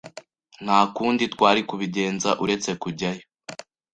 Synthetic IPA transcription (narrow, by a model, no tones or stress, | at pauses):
n̥haːkuːnditwaːɾikuβiɟe̞ːnzaʔuɾe̞t͡se̞kuɟajo